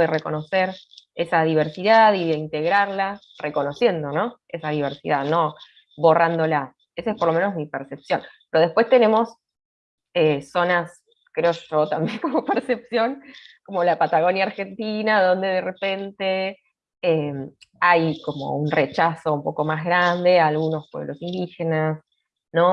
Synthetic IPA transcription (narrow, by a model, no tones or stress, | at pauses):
ðereko̞no̞seɾesað̞iβeɾsiðaðiðeint̪e̞ɣɾaɾla | reko̞no̞sje̞nd̪o̞no̞ | esaðiβ̞eɾsḭðaðno̞ | βo̞rand̪o̞la | esaespo̞ɾlo̞mẽ̞nozmipeɾse̞psjo̞npeɾo̞ðe̞hpwe̞st̪ene̞mo̞s | eso̞nas | kɾeoʒo̞t̪ambje̞ŋkomopeɾse̞psjo̞ŋko̞mo̞lapat̪aɣo̞njaːɾxe̞nt̪inaðo̞nd̪e̞ðere̞pe̞nt̪e | emajko̞mo̞̰unret͡ʃaso̞umpo̞ko̞mazɣɾand̪e̞aːlɣuno̞spweβlʔosind̪ixe̞nas | no̞